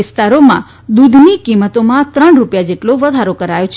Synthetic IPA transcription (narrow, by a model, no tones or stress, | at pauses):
ɪst̪aɾomã̰ | d̪ud̪ʱnikimət̪omãt̪ɾəɳɾupjad͡ʒeʈloʋəd̪ʱaɾokəɾajot͡ʃʰ